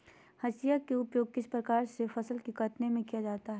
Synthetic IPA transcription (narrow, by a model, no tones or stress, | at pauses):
hɐsijakeʊpjoːɡ̚kɪspɾɐkaːɾsefɐsəlkekɐʈnemẽkijad͡ʒaːt̪aɦɛ